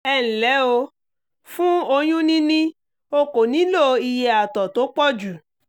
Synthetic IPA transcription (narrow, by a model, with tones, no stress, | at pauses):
ɛ˧˨ñ̩˨lɛ˨˦o˧ | fũ˦o˧j̃ũ˦nĩ˦nĩ˦ | o˧ko˨nĩ˨˦lo˦i˧je˧a˨tɔ˨to˨˦k͡pɔ˦˨d͡ʒu˨